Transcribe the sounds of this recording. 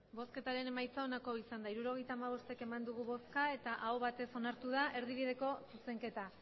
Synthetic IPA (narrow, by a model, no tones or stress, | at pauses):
bo̞ske̞t̪aɾe̞ne̞majt͡sao̞nako̞isand̪aiɾuɾo̞ɣ̞e̞jt̪aːmaβ̞o̞st̪eke̞mand̪uɣ̞uβo̞skae̞t̪aʔaoβat̪e̞so̞naɾt̪uð̞aʔe̞ɾðiβ̞ið̞e̞ko̞suse̞ŋke̞t̪a